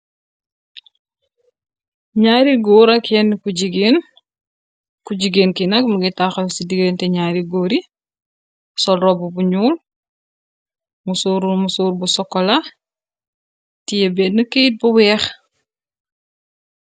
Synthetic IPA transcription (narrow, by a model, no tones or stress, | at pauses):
ɲaːɾiɡoːɾɐkʰɛnkuɟiɡen | kuɟiɡeːnkinɐk̚muɡitaxɐlsidiɡeːntɛɲaːɾiɡoːɾi | sɔlɾɔbubuɲuːl | musuɾumusuːɾbusɔkːɔla | tijebɛtnəkeit̚buwɛːx